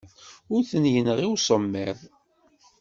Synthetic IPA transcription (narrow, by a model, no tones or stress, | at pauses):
ʊɾθənjənʁiwsˤəmːɛðˤ